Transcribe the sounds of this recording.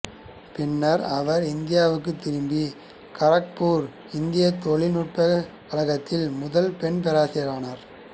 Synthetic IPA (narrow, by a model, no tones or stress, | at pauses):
pɪnːɐɾɐʋɐɾɪnd̪ɪjaːʋɯkːɯt̪ːɪɾɯmbi | kɐɾɐk̚puːɾ | ɪnd̪ɪjɐt̪ːɔɭɪnuʈ̚pɐkɐlɐɣɐt̪ːɪlmʊðɐlpɛɳp̬ɛɾaːsɪɾaːnɐɾ